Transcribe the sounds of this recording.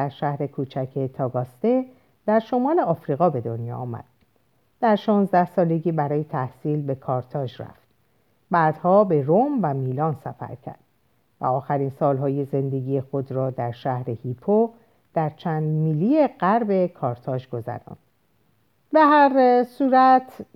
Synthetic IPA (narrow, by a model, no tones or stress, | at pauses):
æɾʃæhɾe̞kʰuːt͡ʃʰæcʰet̪ʰɒːɡɒst̪e̞ | d̪̥æɾʃo̞mɒːle̞ɒːfɾiɣɒːbe̞d̪o̞njɒ̰ːɒːmæ̰d̪̥̚ | d̪̥æɾʃɒːnzd̪æhsɒːle̞ɟiːbæɾɒːje̞t̪ʰæhsiːlbe̞kʰɒːɾt̪ʰɒːʒræ̰ft̪ | bæːd̪̥hɒːbe̞ɾomvæmiːlɒːnsæfæ̰ɾcʰæ̰ɾd̪̥ | væ̰ɒːxæɾiːnsɒːlɦɒːje̞ze̞nd̪e̞ɡiːje̞xo̞d̪ɾɒːd̪æɾʃæhɾe̞hiːpʰo | d̪̥æɾt͡ʃʰæːnd̪miːlije̞ɢæɾbe̞kʰɒːɾt̪ʰɒːʒɡo̞zæ̰ɾɒ̰ːnd̪̥ | be̞ɦæɾsuːɾæt̪ʰ